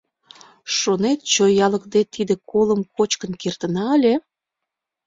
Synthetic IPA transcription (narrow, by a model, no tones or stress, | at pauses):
ʃonet̪̚t͡ɕojɑləkd̪et̪id̪ekoləmkot͡ɕkənkert̪ənɑəlʲe